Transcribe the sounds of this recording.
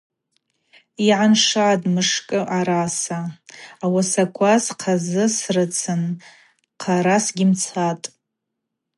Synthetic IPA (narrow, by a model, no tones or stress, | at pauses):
iʕanʂadʼmɨʂkʼɨʔaɾasaːwasakʷʰasqʰazɨsrɨt͡sʰɨn | qʰaɾasɡʲɪmt͡sʰatʼ